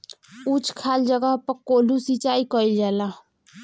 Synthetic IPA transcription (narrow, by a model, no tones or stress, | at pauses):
ut͡ʃkʰaːld͡ʒəɡəɦpəkoːlusit͡ʃaikəild͡ʒaːla